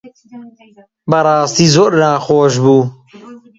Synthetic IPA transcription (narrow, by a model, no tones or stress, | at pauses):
bɐɾɑːst̪iːzoːɾnaːxoːʃ̬buː